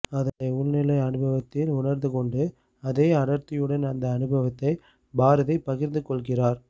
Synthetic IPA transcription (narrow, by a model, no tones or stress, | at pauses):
ɐðɐɐʊɭnɪlɐɪɐnɯbɐʋɐt̪ːɪlʊɳɐɾnd̪ɯkɔɳɖɯ | ɐðeːɐɽɐɾt̪ɪjɯɽɐnɐnd̪ɐːnɯbʱɐʋɐt̪ːɐɪ | baːɾɐðɐɪpːɐɣɪɾnd̪ɯkɔɭɣɪraːɾ